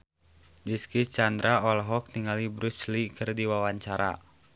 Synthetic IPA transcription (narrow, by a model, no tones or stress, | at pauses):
diskit͡ʃand̪ɾaɔlɦɔk̚niŋɡalibɾuslikɨrdiwawaɲt͡ʃaɾa̰